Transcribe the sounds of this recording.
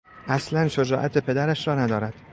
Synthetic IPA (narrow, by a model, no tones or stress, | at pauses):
ʔæslænʃod͡ʒɒːʔæt̪ʰepʰe̞d̪æɾæʃɾɒːnæd̪ɒːɾæd̪̥